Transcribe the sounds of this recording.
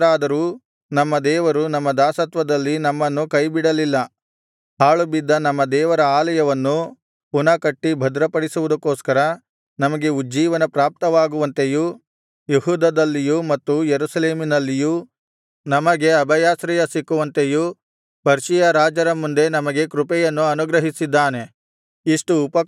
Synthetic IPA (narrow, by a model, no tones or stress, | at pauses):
ɾaːd̪ɐɾuː | nɐmːɐd̪ɛːʋɐɾunɐmːɐd̪aːsɐt̪ʋɐd̪ɐlːinɐmːɐnːukɐjbiɽɐlilːɐ | ɦaːɭubid̪ːɐnɐmːɐd̪ɛːʋɐɾɐaːlɐjɐʋɐnːu | punɐkɐʈːibʱɐd̪ɾɐpɐɽisuʋud̪ɐkːoːskɐɾɐ | nɐmɐɡe̞ud͡ʒiːʋɐnɐpɾaːp̚t̪ɐʋaːɡuʋɐnt̪eju | jeɦuːd̪ɐd̪ɐlːijumɐt̪ːujeɾusɐleːminɐlːiju | nɐmɐɡe̞ɐbɐjaːsɾɛjɐsikːuʋɐnt̪eju | pɐɾʃijɐɾaːd͡ʒɐɾɐmund̪e̞nɐmɐɡe̞kɾupɛjɐnːuɐnuɡɾɐɦisid̪ːaːne̞ | iʂʈuːpɐ